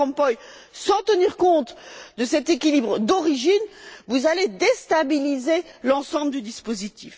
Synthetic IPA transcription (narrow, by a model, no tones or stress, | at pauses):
ɔ̃pɔj | sɑ̃t̪əniʁkɔ̃t̪d̪əsɛt̪ekʲilibʁəd̪ɔʁiʒinvuzaled̪est̪abilizelɑ̃sɑ̃bləd̪yd̪ispozit̪ʰif